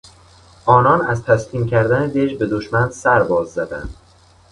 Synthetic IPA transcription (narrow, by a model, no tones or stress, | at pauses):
ʔɒːnɒːnæzt̪ʰæsliːmcʰæɾd̪æned̪eʒbe̞d̪oʃmænsæɾbɒːzːæd̪æ̰nd̪̥